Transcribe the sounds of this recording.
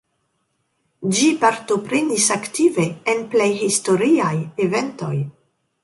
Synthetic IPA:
d͡ʒipaɾto̞pɾenisaktive̞ːnplejhisto̞ɾiajeve̞nto̞j

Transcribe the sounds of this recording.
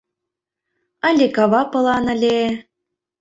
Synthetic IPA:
ɑlʲekɑβɑpɤ̆lˠɑnə̆lʲe

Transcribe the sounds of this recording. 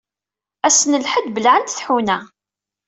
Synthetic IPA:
æsənəlħəd̪bəlʕənt̪θħunæ

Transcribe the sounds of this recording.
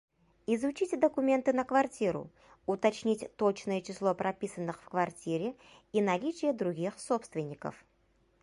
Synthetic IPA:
ɪzʊt͡ɕitʲd̪əkʊmʲe̞nt̪ɨnəkvɐrtʲiɾʊ̰ | ʊt̪ɐt͡ɕnʲitʲt̪ot͡ɕnəjət͡ɕɪslˠo̞pɾɐpʲisənːɨxfkvɐrtʲiɾʲɪ | inɐlʲit͡ɕɪjəd̪ɾʊɡʲixsopst̪vʲɪnʲːɪkə̰f

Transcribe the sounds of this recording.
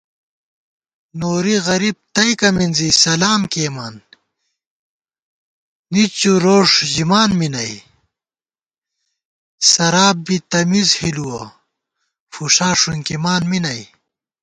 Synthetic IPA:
noːɾiɣɐɾib̚t̪ɐjkɐminzisɐlaːmkeːmaːn | nit͡ɕuɾoːʂʑimaːnminɐj | sɐɾaːb̚bit̪ɐmizhiluwɐ̰ | fuʂaːʂunkimaːnminɐj

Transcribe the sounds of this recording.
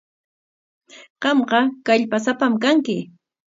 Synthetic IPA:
ɢ̥ɑmɢɑkaʎpasapamkaŋkɪ

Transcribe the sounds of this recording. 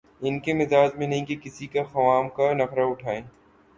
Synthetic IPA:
ɪnkemɪzaːd͡ʒmẽnɐɦĩkekɪsikaxɐʋaːmkanɐfɾaʊʈʰaːẽː

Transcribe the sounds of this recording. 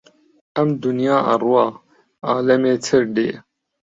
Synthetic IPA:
ɐmd̪unjaːʔɐ̰rwaː | aːlɐmeːt͡sʰɐɾɖeː

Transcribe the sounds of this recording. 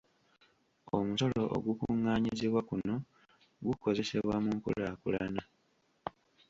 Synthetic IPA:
omuso̞lo̞ʔo̰ɡukuŋːaːɲiziβwakuno̞ | ɡuko̞ze̞se̞βwamuŋkṵlakṵlana

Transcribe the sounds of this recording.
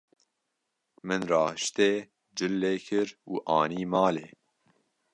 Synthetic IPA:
mɨnrɑːʃt̪eː | d͡ʒɨlːeːkʰɨɾuːʔɑːniːmɑːleː

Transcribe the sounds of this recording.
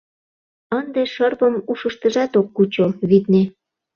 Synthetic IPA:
ənd̪eʃɤrpəmuʃəʃt̪əʒɑt̪okːut͡ɕoβit̪ne

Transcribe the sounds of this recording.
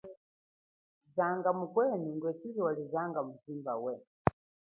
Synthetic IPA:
zaŋɡamukwɛniŋɡwɛt͡ʃiziwalizaŋɡam̩zimbawɛ

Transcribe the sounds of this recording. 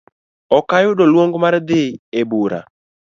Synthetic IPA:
ɔkajʊdɔlwoŋɡmaɾd̪ɪebuɾa̰

